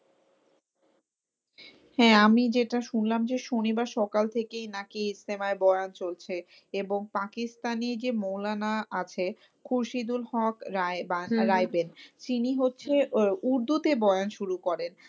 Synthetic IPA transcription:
hɛ̃amid͡ʑeʈaʃunlamd͡ʑeʃonibaɾʃɔkalt̪ʰekejnakiisemaebɔeont͡ɕolt͡ɕʰe | eboŋpakist̪aniɾd͡ʑemowlanaʔat͡ɕʰe | kʰuɾʃid̪ulhɔkbaɾajbent̪iniɦotːɕʰeuɾd̪ʱut̪ebɔeanʃuɾukɔɾen

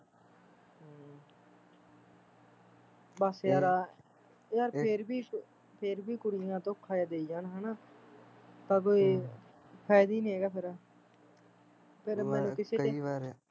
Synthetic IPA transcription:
bəsjaːɾ | jaːɾpʰeɾbiː | pʰeɾbiːkʊɽɪjãːt̪õːkʰːaːjaːd̪eːid͡ʒaːnɦənaː | t̪ãːk̬oːiː | pʰɛːd̪iːnĩːeːɡaːpʰɪɾ | pʰɪɾmɛ̃ːnũkɪseːeːɾ

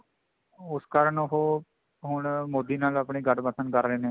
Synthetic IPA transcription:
ʊskaːɾəɳoɦoː | ɦʊɳmoːd̪iːnaːləpɳiːɡəʈbəsənkəɾːeːneː

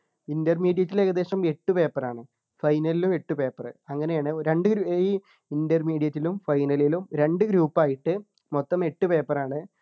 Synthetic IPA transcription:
indɐrmiːɽijɐtːile̞ːɣɐd̪e̞ːɕɐme̞ʈːupe̞ːpːɐraːɳɨ | fɐjnɐlilume̞ʈːupe̞ːpːɐrɨɐŋːɐnejaːɳɨɾe̞ɳɖɨɡɾuiː | indɐrmiːɽijɐtːilumfɐjnɐlilumɾe̞ɳɖɨɡɾuːpːaːjiʈːɨ | mot̪ːɐme̞ʈːupe̞ːpːɐraːɳɨ

